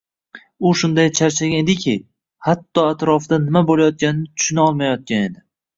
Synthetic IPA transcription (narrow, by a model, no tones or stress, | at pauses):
ʊʃʊnd̪ajt͡ʃʰaɾt͡ʃʰaɡʲaed̪ɪkʲʰɪ | hat̪ːɒat̪ɾɒfɪd̪anɪmabolajɒt̪̚kʲanɪnɪt̪ʰʊ̥ʃʊnɒlˠmajɒt̪̚kʲane̞d̪ɪ